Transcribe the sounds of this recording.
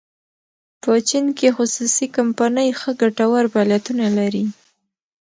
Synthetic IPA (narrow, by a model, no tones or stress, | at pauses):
pət͡ʃinkexʊsusikampanəjxəɡaʈawaɾbaljat̪unalaɾi